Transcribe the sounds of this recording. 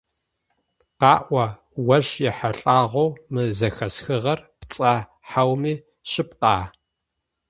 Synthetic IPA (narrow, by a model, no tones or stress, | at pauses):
qɑːʔʷɐ | wɐʃjɛħaɬʼaːʁʷowmɨzɐxɐsxɨʁɐrpt͡sʼɐ | ħawmiː | ɕɪpqɑ̰ː